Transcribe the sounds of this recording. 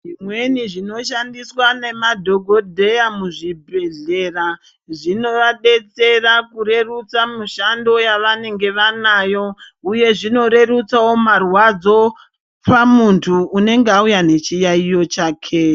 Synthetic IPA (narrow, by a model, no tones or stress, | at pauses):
ʐimwe̞niʐino̞ʃandiswane̞madʱo̞ɡʱo̞dʱe̞jamuʐibʱe̞ɮe̞ra | ʐino̞ʋaɗe̞t͡se̞rakuɾe̞rut͡samuʃando̞jaʋane̞ŋɡe̞ʋanaːjo̞uje̞ʐino̞ɾe̞rut͡sawo̞marwad͡zo̞ | pamuntʰuːne̞ŋɡeaujane̞t͡ʃijaijo̞t͡ʃaːkʰe̞